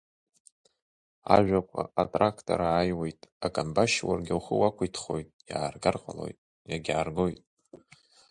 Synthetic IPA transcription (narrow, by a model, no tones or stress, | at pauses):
aʒᶣʷakʷʰʼa̰atʼrakʰtʰʼo̰ɾaːjwe̞jtʼakʼanbaʃwa̰rɡʲawχəwakʷʰʊjtʰχo̞jtʼjaːrɡarqʼalo̞̰jtʼ | jaɡʲaːrɡojtʼ